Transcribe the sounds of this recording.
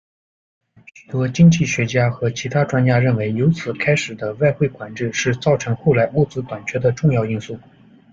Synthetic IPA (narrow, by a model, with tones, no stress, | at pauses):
ɕy˨˩t̪wɔ˥t͡ɕi˥ŋt͡ɕi˥˩ɕɥɛ˧˥t͡ɕja˥xɤ˧˥t͡ɕʰi˧˥t̪ʰa˥ʈ͡ʂwa˥nt͡ɕja˥ɻə˥˩nwe˧˥ɪjo˧˥ʊt͡sʰɹ̩˨˩kʰa˥ɪʂɻ̩˨˩d̪ə˦wa˥˧ɪxwe˥˩ɪkwa˨˩nʈ͡ʂɻ̩˥˧ʂɻ̩˥˧t͡sɑ˥˩ʊʈ͡ʂʰɤ˧˥ŋxo˥˩ʊla˧˥ɪu˥˩t͡sɹ̩˧˥t̪wa˨˩nt͡ɕʰɥɛ˥d̪ə˧ʈ͡ʂʊ˥˧ŋjɑ˥˧ʊi˥˧nsu˥˩